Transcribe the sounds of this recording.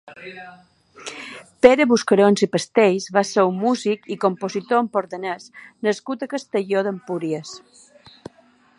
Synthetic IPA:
peɾəβuskəɾonzipəst̪ejzβaseummːuzikikompozit̪oəmpoɾðənəsnəskut̪əkəst̪əʎoðəmpuɾiəs

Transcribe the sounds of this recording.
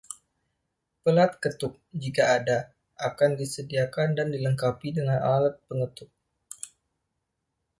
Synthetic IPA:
pəlat̪̚kət̪ʊk̚d͡ʒikaːda | ʔakandisədiakandandiləŋkapidəŋanalat̪̚pəŋət̪ʊk̚

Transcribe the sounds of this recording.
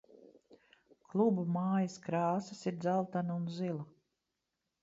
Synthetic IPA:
klˠubumaːjɐskɾaːsɐsiɾd̪zalˠt̪anaunzilˠa

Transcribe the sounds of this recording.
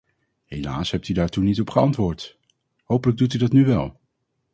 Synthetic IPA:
hejla̰ːsɦɛp̚tydaːɹtunitɔpχəɑntʋʊːɹt | howpələɡ̚dut̬ydɑtnyʋɛ̰lˠ

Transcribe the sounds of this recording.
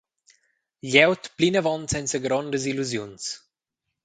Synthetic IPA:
ʎɛwt̪plinəvɔnsɛnsəɡɾɔnd̪əziluzjuns

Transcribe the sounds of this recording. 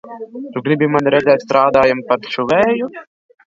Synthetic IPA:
t̪uɡɾibʲimanɾɛzɛːt̪st̪ɾaːd̪aːjampat̪ʃuʋɛːju

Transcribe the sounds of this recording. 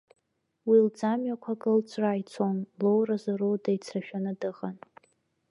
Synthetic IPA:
wild͡zamɥakʷʰakʼɨlt͡sʰʼrajt͡sʰonlowrazaɾowdajt͡sʰraʃᶣanɨdɨʁan

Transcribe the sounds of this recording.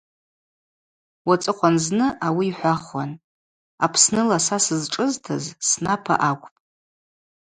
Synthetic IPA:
wat͡sʼɨqʷʰanznɨʔawiːħʷaχwa̰n | apʰsnɨlasasɨzʈ͡ʂʼɨztʰazsnapʰa̰ʔakʷʼpʼ

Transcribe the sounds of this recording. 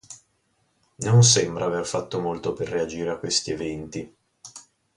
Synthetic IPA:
nons̬ɛmbɾʔaːverfat̪ːomolt̪operːead͡ʒiːɾeakːwest̪ievɛnt̪i

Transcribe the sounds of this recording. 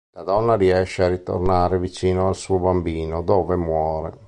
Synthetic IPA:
lad̪ɔnːaɾiɛʃːearːit̪o̰rnaːɾɛvit͡ʃiːnoalsuːobambiːnod̪ɔːvemwɔːɾɛ̰

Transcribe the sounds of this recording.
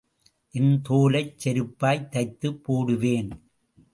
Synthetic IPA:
ʔɪnt̪oːlɐɪt͡ʃːɛɾɯpːaːjt̪ːɐɪt̪ːɯpːoːɽɯʋeːn

